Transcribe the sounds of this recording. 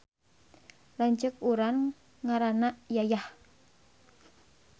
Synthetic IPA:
lant͡ʃək̚uɾan | ŋaɾanaʔjajah

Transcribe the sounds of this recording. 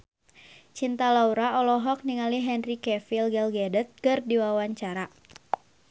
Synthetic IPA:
t͡ʃint̪alauɾaɔlɔɦɔk̚niŋaliɦɛnrikɛfilɡɛlɡɛdət̪̚kɨrdiwawaɲt͡ʃaɾa

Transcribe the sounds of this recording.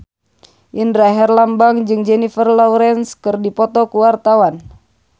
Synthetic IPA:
ʔindɾaɦɛrlambaŋd͡ʒɨŋd͡ʒɛnifərlɔuɾɛnskɨrdipɔt̪ɔkuwart̪awan

